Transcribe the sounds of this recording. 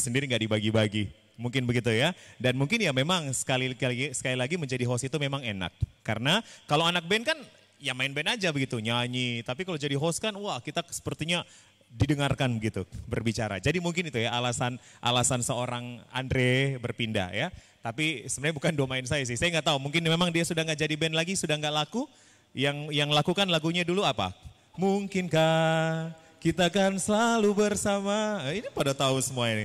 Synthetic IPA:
səndiɾiŋɡaʔdibaɡibaɡi | muŋkɪnbəɡit̪ujadanmuŋkɪnjamemaŋsə̥kaliksə̥kalilaɡiməɲd͡ʒadiɦɔsit̪umemaŋena̰kːaɾənakaloanak̚bɛnkan | jamaɪnbɛnad͡ʒabəɡit̪uɲaɲit̪apikalod͡ʒadiɦɔskanuwahkit̪asə̥pərt̪iɲa | didəŋarkanbəɡit̪ubərbit͡ʃaɾa̰d͡ʒadimuŋkɪnit̪ujaalasanʔa̰lasansəoɾaŋa̰ndɾebərpinda̰ja | t̪apisəbənaɲabukanduamaɪns̬ajas̬ɪhsajaŋɡaʔt̪aumuŋkɪnmemaŋdiasudahŋɡaʔd͡ʒadibɛnlaɡisudahŋɡaʔlaku | jaŋjaŋlakukanlaɡuɲaduluapa̰ | muŋkɪnka | kit̪akansəlalubərsamainipadat̪aʊnsəmuani

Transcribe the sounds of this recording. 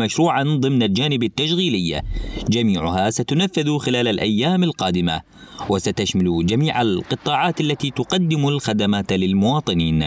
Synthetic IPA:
maʃɾuːʕanðˤɨmnald͡ʒaːnɪbat̪ːaʃɣiːlɪjːa̰d͡ʒamiːʕʊhasat̪ʊnafːɪðxɪlaːlalʔajːaːmalqɑːd̪ɪma̰ | wɪsat̪aʃmalud͡ʒamiːʕalqɨt̪ˤːɑːʕɑːt̪ʔalːat̪iːt̪ʊqɑd̪ːɪmʊlxad̪amaːt̪lɪlmʊwɑːt̪ˤɨniːn

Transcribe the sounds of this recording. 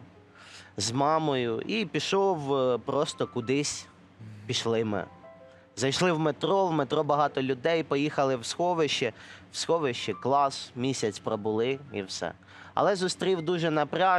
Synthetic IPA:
zmɑmɔjʊipʲiʃɔwpɾɔst̪ɔkʊd̪ɪsʲ | pʲiʃlˠɪmɪ̰ | zɐjʃlˠɪwmet̪ɾɔwmet̪ɾɔbɐɦɑt̪ɔlʲʊd̪ɛjpɔjixɐlˠɪwsxɔʋɪʃt͡ʃɛwsxɔʋɪʃt͡ʃɪklˠɑsmʲisʲɐt͡sʲpɾɔbʊlˠɪḭwsɛ̰ | ɐ̰lˠɛzʊst̪ɾʲiwd̪uʒɛnɐpɾʲɑ

